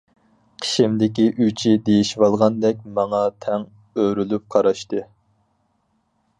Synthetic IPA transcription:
qʰə̥ʃɪmd̪ɪkʲiʔyt͡ʃʰid̪ejiʃwɑlˠʁɑnd̪ɛk̚ʲmɑŋɑt̪ʰɛŋ | øɾylyp̚qʰɑɾɑʃt̪ɨ

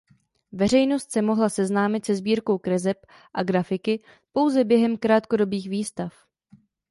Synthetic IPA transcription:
vɛr̝ɛjno̞st̪sɛmo̞ɦlasɛznaːmɪt̪sɛzbiːɾko̞wkɾɛzɛp | ʔaɡɾafɪkɪ | po̞wzɛbjɛɦɛmkɾaːt̪ko̞do̞biːxviːst̪af

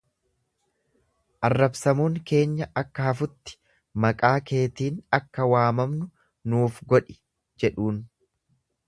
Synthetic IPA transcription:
ʔɐrːɐbsɐmuːŋke̞ːɲːɐʔɐkːɐhɐfʊt̪ːɪ̥ | mɐkʼaːke̞ːt̪iːnɐkːɐwaːmɐmnʊ | nuːfɡɔᶑɪ | d͡ʒɛᶑuːn

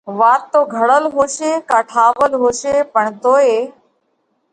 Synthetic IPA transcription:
ʋaːt̪ːoːɡʱəɽəlɦoːʃeːkaːʈʰaːʋəlɦoːʃeːpəɳt̪oːeː

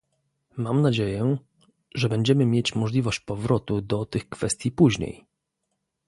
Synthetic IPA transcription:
mamnad͡ʑejɛ | ʐɛbɛɲd͡ʑɛmɘmʲjet͡ɕmɔʐlʲivɔɕt͡ɕpɔvɾɔt̪ud̪ɔt̪ɘxkfɛst̪ʲjipuʑɲḛj

